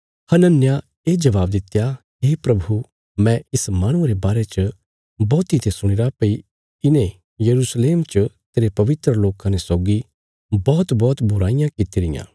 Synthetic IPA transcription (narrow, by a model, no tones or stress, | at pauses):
hɐnənja | eːd͡ʒɐʋaːb̚d̪ɪt̪ːja | ɦeːpɾɐbʱu | mɛ̃ɪsmãːɽ̃ʊ̃ɾebaːɾet͡ʃə | bɔːt̪it̪ʰesʊɽ̃ɪɾapɐi | ɪnẽ | jɐɾusleːmt͡ʃət̪eːɾepɐʋɪt̪ɾəloːkãnesɔːɡi | bɔːt̪bɔːt̪bʱʊɾaːɪjãkɪt̪iɾɪjã̰ː